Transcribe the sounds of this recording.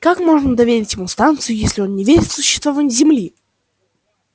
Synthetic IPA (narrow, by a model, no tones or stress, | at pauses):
kakmo̞ʐnəd̪ɐvʲeɾʲɪtʲjɪmust̪ant̪sɨjʊjesʲlʲɪo̞nːʲɪvʲeɾʲɪt̪sʊɕːɪ̥st̪vɐvanʲizʲɪmlʲi